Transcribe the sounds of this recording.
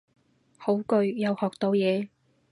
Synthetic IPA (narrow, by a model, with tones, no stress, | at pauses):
ho˨˥wkɵ˧ɥjɐ˨˧whɔː˨k̚t̪o˧wjɛː˨˧